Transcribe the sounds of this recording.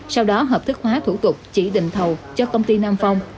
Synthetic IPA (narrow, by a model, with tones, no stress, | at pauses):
sa˧wɗɔ˨˦ɦəː˨˩p̚t̪ʰɨ˦˥k̚hwaː˨˦t̪ʰṵ˧˩t̪ʊ˨˩k͡p̚t͡ɕḭ˧˩ɗḭ˧˨ŋ̟t̪ʰə˨˩wt͡ɕɔ˧kə˧wŋ͡mt̪i˧naː˧mfa˧wŋ͡m